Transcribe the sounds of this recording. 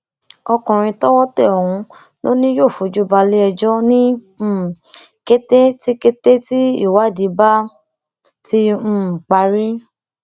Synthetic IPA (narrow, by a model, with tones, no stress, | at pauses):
ɔ˧kɔ̃˨ɾ̃ĩ˧tɔ˦wɔ˦tɛ˦˨ɔ˨hũ˧ | lo˦nĩ˦jo˦˨fu˨d͡ʒu˦ba˧le˦ɛ˧d͡ʒɔ˦nĩ˦˨ | ke˦te˦ti˦ke˦te˦ti˦ḭ˦˨wa˨˦˨di˨˧˦ba˦ | tĩ˦˨k͡pa˧ɾi˦